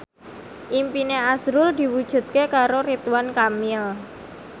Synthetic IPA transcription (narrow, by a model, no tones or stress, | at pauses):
ʔimpineasɾʊld̪i̤wud̥ʒ̥ṳt̪̚kekaɾoɾit̪uwankamɪl